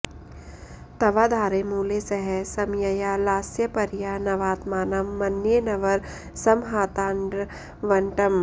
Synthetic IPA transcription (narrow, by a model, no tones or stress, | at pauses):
t̪ɐʋad̪ʱaːɾemuːlesɐɦɛsɐmjɐjaːlaːsjɐpɐɾjanɐʋaːt̪maːnɐmːɐnːjenɐʋɐɾ | sɐmɦaːt̪aːɳɖɾ | ʋɐɳʈɐm